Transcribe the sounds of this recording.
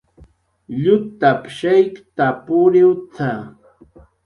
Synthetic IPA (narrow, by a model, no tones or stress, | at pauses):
ʎʊt̪apʃajkt̪apʊɾɪwt͡sa